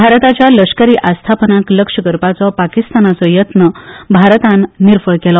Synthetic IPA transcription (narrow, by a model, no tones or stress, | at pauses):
bʱaɾt̪at͡ɕjaləʂkəɾiːʔast̪ʰapənakləkʂəɡəɾpat͡sɔpakist̪anat͡sɔjət̪nəbʱaɾt̪ãnːiɾfəɭkɛlɔ